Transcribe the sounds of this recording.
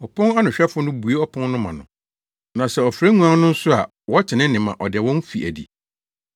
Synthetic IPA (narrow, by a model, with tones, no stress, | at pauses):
ɔ˨pʰɔ̃˦na˦nʊ̃˨ɕᶣɛ˦fʊ˦nʊ̃˦bu˨e˦ɔ˦pʰɔ̃˦nnʊ̃˦mã̰˨nʊ̃˨ | nã˨sɛ˨ɔ˨fɾæ˦ŋũ˦ã˦n˦nʊ̃˦n̩˦sʊ˦a̰˨ | wɔ˦t͡ɕʰɪ˨nɪ̃˦nɪ̃˨mã̰˨ʔɔ˨dɛ˨wɔ̃˦n˦fi˨ʔæ˨dḭ˨